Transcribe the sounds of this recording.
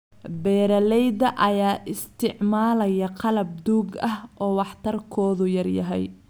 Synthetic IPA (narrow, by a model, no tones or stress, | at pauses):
bɛːɾɐlɛjd̪ɐʔɐjaːʔɪst̪ʰɪʕmaːlɐjɐqʰɑlɐb̚d̪uːɡɐhʔɔːwɑħt̪ʰɐrkʰɔːðʊjɐrjɐ̰ɦɛ̰j